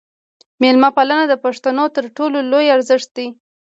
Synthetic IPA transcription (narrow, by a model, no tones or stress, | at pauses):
melmapalanad̪əpaʂt̪anot̪əɾʈololojaɾzɪʂt̪̚d̪i